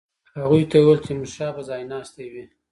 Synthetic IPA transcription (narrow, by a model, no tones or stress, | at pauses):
haɣujt̪ajuwelt͡ʃemʊʃɑpəzɑjnɑst̪ewi